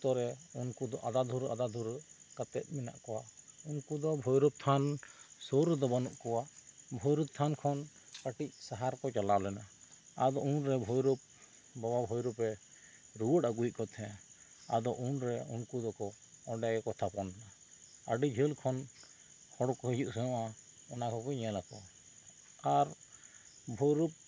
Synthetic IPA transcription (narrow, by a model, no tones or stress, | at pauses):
t̪ɔɾɛunkud̪ɔʔad̪ad̪ʱuɾa̰d̪ad̪ʱuɾkat̪ɛt̪̚ˀmina̰ʔkɔwaunkud̪ɔbʱɔjɾup̚t̪ʰansoɾd̪ɔbanuʔkɔwabʱɔjɾup̚t̪ʰankʰɔn | kəʈic̚saɦaɾkɔt͡ʃalalɛna | ad̪ɔunɾɛbʱɔjɾɔp̚ | bɔbabʱɔjɾɔpɛ | ɾuwɔʈaɡuiʔ̚kɔt̪ʰɛ̃a̰d̪ɔʔunɾɛunkud̪ɔkɔ | ɔɖajkɔt̪ʰapɔnɛna | əɖid͡ʒʱəlkʰɔn | hɔɽɔkɔhijuʔsɛɔ̃ʔa | ɔnakɔkɔɲɛlakɔ | aɾ | bʱɔjɾup̚